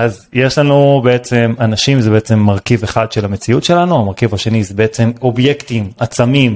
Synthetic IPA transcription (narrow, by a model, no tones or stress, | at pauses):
ʔaz | je̞ʃlanubeet͡semanaʃimzebeet͡se̞mːaʁkive̞χadʃelamet͡siutʃe̞lanuamaʁkivaʃe̞nizebeet͡se̞mo̞bje̞ktimat͡samim